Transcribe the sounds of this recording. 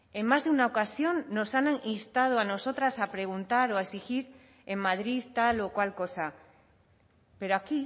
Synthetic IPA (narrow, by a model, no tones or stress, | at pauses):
e̞mmazðeunaokasjo̞nːo̞sananinst̪að̞oano̞so̞t̪ɾasapɾe̞ɣ̞unt̪aɾo̞aesixiɾ | e̞mmað̞ɾiðt̪alo̞kwalko̞sa | pe̞ɾoaki